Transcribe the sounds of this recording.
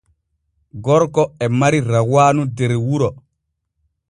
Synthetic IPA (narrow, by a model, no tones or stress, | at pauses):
ɡɔɾkɔɛmaɾiɾawaːnudɛɾwuɾɔ